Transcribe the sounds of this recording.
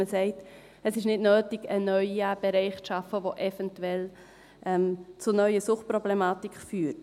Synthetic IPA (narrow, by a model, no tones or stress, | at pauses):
əsɛɪt | əsɪʃnɪdnøːtiɡ̥ənœʏab̥ɛɾɛɪχt͡sʃɑfəʋoʔɛfɛntuɛl | ʔɛmt͡sʊnœʏəsʊχt̚pɾɔblɛmɑːtikfyːt